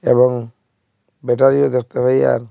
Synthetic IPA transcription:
ebɔŋ | beʈaɾiod̪eɾt̪eɦɔja̰ɾ

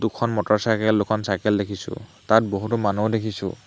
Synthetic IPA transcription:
dukʰɔnmɔtɔɹsakɛlːʊkʰɔnsajkɛldekʰisʊ̰̃tat̚boɦutʊmanudekʰisʊ̰̃

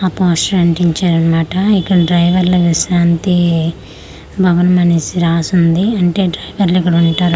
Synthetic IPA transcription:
ɐpoːsʈɾɐɳʈiɲt͡ʃaːɾɐnɐmaːʈɐikːɐɽɐɖɾɐjʋɐɾluʋiʃɾaːnt̪i | bʱɐʋɐnmɐnisiɾaːsund̪iɐɳʈe̞ːɖɾɐjʋɐɾluikːɐɽɐuɳʈaːɾ

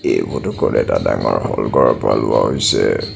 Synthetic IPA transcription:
ebutʊkɔlɛdadaŋɔɹhɔlɡɔɹapalʊwaɦojsɛ

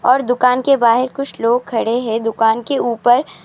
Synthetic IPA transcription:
ɔːɾd̪ʊkaːnkebaːɦɪɾkʊt͡ʃʰloːɡ̚kʰɐɽeɦɛ̃d̪ʊkaːnkeuːpəɾ

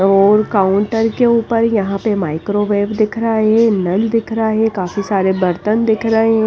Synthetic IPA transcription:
oɔːɾkaːʊɳʈəɾkeuːpəɾjəɦãpemaːɪkɾoːʋeːbd̪ɪkʰɾaːɦɛ̃nəld̪ɪkʰɾaɦɛkaːfisaːɾebəɾt̪ənd̪ɪkʰɾəɦeɦɛ̃

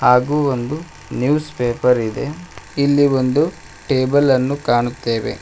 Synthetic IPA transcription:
haːɡuːond̪u | njuːspeːpɐɾid̪e̞̰ilːio̞nd̪u | ʈeːbɐlɐnːukaːɳut̪ːe̞ːʋe̞̰

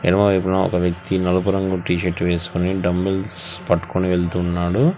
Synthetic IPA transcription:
ɛ̰nɐmɐʋɐjpunaːɔ̰kɐʋjɐk̚t̪inɐlupuɾɐŋɡuʈiːʃeʈːʋeːsu̥kuniɖɐmbilspɐʈːu̥koniʋeɭt̪uːnːaːɽu

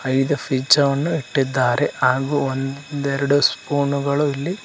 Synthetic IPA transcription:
ɐjd̪upʰid͡ʒɐʋɐnːuiʈːid̪ːaːɾe̞ɦaːɡuond̪d̪ɛɾɐɽuspuːɳuɡɐɭuilːi

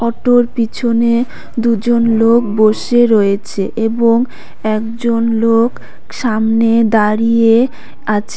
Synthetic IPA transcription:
ɔʈoɾpit͡ɕʰone | d̪ud͡ʑonlok̚boʃeɾɔet͡ɕʰeʔeboŋ | ɛkd͡ʑonlok | ʃamned̪aɾije | at͡ɕʰe

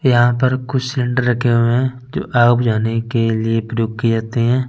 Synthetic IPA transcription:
jɐɦãpɐɾkʊt͡ʃʰsɪ̃ɳɖəɾːɐkʰːeɦoɛ̃ | d͡ʒo̰ːʔaːpd͡ʒaːnekeliepɾʊk̚ːid͡ʒaːt̪eɦɛ̃ː

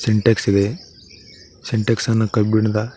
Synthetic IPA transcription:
seɳʈeksid̪e | seɳʈeksɐnːɐkɐbiɳd̪ɐ

